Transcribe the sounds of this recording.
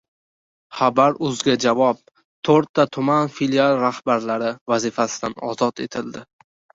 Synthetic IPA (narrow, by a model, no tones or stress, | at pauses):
χabaɾʊzɡʲad͡ʒavɒp̚ | t̪ʰoɾt̪ʰːat̪ʰʊmanfilialˠɾahbaɾlaɾɪvazɪfasɪd̪anɒ̰zɒt̪ʰe̞̰t̪ʰɪld̪ɪ